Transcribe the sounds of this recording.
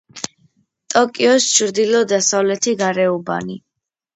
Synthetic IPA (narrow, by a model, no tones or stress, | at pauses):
t̪ʼɔkʼiɔst͡ʃʰɾd̪ilɔd̪asavlɛt̪ʰiɡaɾɛuba̰ni